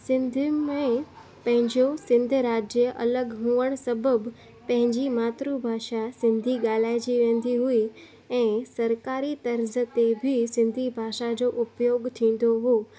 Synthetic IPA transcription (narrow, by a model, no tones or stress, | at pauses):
sɪ̃nd̪ʱmẽ | pɐ̃ɦɪ̃ɲd͡ʑosɪ̃nd̪ʱɾaːd͡ʑəʔɐləɡɦũːəɽ̃sɐbəb | pɐ̃ɦɪ̃ɲd͡ʑimaːt̪ɾubʱaːʃasɪ̃nd̪ʱiɠaːl̤aːɪd͡ʑiʋẽːn̆d̪iɦui | ɛ̃ːsɐɾkaːɾit̪ɐɾzət̪ebʱɪsɪ̃nd̪ʱibʱaːʃad͡ʑoːʔʊpjoːɡt̪ʰĩːn̆d̪oɦoː